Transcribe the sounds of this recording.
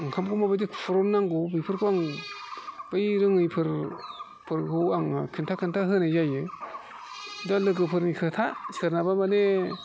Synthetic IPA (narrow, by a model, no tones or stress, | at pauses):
aŋkʰamkʰumabajdikpʰuɾɔnːaŋɡɯbɯjpʰɯɾkʰuaŋ | b̥ajɾɯŋɯjpʰɯɾ | pʰɯɾɡɯwaŋkʰɯntʰakʰɯntʰaɦɯnajajɯ | dalɯɡɯpʰɯɾnikʰɯtʰasɯɾnabamane